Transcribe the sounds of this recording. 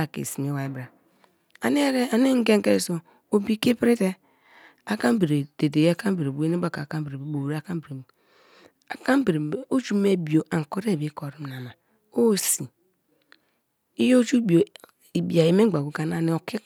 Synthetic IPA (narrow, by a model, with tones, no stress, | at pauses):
a˨kḛ˨si˨m˨e˦wa˨i˨˦bɾa˨ | a˨ni˦ɾe˦a˨ni˦ŋ̩˦ɡe˦ŋ˦ke˦˨so˨ | o˦bi˦ke˦pɾi˦te˦ | a˦ka˦m˦be˨ɾe˨de˨de˨jka˦m˦be˨ɾe˨bu˨˦e˦ne˦a˦ka˨ka˦be˨ɾe˨be˨˦bo˨ɾa˦ka˦bɾe˨ | a˨ka˦bɾe˨o˦d͡ʒu˦me˦bi˨o˨ʔa˨ŋ˨ko˦ɾe˦˨bi˨˦ko˨ɾi˨˦m˨na˨ma˨ | o˦˨si˨ | i˦jo˦d͡ʒu˦bi˨o˨ | i˨bi˨a˨ji˨me˦ɡ͡ba˨ɡu˨ka˨na˨ni˦o˨ki˦